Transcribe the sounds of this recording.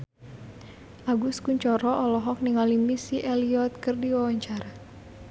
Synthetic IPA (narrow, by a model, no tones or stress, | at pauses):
ʔaɡuskuɲt͡ʃɔɾɔʔɔlɔɦɔk̚niŋalimisiʔɛliɔt̪̚kɨrdiwawaɲt͡ʃaɾa